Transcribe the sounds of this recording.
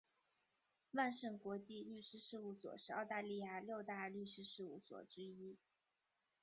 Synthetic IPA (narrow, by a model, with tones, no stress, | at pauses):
wa˥˧nʂə˥˩ŋkwɔ˧˥t͡ɕi˥˧ly˥˩ʂɻ̩˥ʂɻ̩˥˧u˥˩swɔ̰˨˩ʂɻ̩˥˧ɑ˥˧ʊt̪a˥˧li˥˧ja˥˩ljo˥˧ʊt̪a˥˧ly˥˩ʂɻ̩˥ʂɻ̩˥˧u˥˩swɔ̰˨˩ʈ͡ʂɻ̩˥i˥